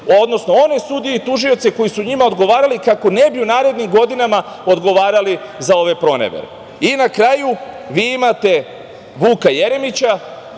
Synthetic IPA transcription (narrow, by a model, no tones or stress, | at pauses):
o̞d̪no̞sno̞o̞ne̞sud̪ieit̪uʒio̞t̪seko̞jisuɲimao̞d̪ɡo̞ʋaːɾalikako̞ne̞biunaːɾe̞d̪nimɡo̞d̪inama | o̞d̪ɡo̞ʋaːɾalizao̞ʋe̞pɾo̞nḛʋḛɾe | inakɾaːju | ʋiːimat̪e̞ | ʋuːkaje̞ɾe̞mit͡ɕa